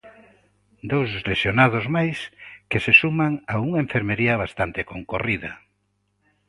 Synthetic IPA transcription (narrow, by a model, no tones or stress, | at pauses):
d̪owzlesjonaðʊzmajskesesumaŋauŋɐeɱfeɾmeɾiɐβ̞ast̪ant̪ekoŋkoriðɐ̰